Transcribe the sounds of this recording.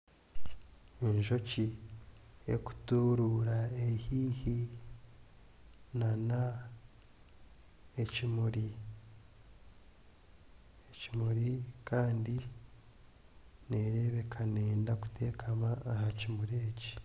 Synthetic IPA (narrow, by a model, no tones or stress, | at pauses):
enʒo̞ci | ḛku̥tuɾuɾaehiːhi | nana | ecimuɾi | ecimuɾikʰaːndi | ne̞ɾe̞βe̞kʰaneːndaku̥te̞ːkʰamaːhacimuɾeːci̥